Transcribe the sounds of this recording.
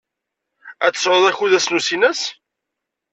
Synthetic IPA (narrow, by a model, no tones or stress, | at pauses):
æt͡sːə̥sʕoðˤæçuðæsnusinæs